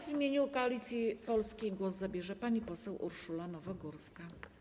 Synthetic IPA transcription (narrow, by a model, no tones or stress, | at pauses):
vʲimʲjeɲukaːlʲit̪sʲjipɔlskʲejɡwɔzzabʲjɛʐɛpaɲipɔsɛwʔṵɾʂulanɔvɔɡuɾska